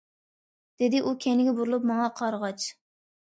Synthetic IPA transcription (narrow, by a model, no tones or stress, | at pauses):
d̪̥ɪd̪ɪʔukʲʰenɪɡʲɛbuɾulˠupmɑŋɑqʰɑɾʁɑt͡ʃ